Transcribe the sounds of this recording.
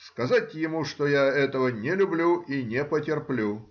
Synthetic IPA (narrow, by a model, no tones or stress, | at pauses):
skɐzatʲjɪmuʂt̪ojaɛt̪əvənʲɪlʲʊblʲuinʲepətʲɪrplʲu